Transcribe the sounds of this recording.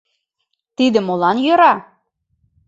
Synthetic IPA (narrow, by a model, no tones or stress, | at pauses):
t̪id̪ə̆molɑnjøɾɑ